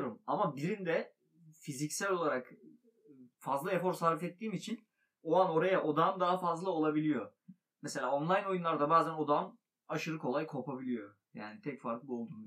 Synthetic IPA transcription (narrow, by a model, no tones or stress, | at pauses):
ɾumamabiɾind̪ɛ | fizicsælʲo̞lˠaɾak | fazlˠaɾefo̞ɾsaɾvifɛt̪ʰːiːmit͡ʃʰin | oano̞ɾajaʔo̞d̪amd̪aɦafazlˠao̞lˠabilʲijo̞ | mɛse̞lʲaːonlˠajno̞junlˠaɾd̪abaːzæno̞d̪am | aʃɯɾɯkʰo̞lˠajkʰo̞pabilʲijo̞ | ja̰ːnit̪ʰɛcfaɾk̪ˠɯbo̞lˠd̪uː